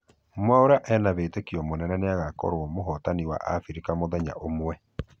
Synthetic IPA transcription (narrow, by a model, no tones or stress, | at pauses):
mwaoɾaʔɛnaβeːtekiɔmonɛnaneaɣakɔ̰ɾwɔmoɦɔtaniwa̰ʔa̰fiɾekamoðɛɲa̰ʔomwɛ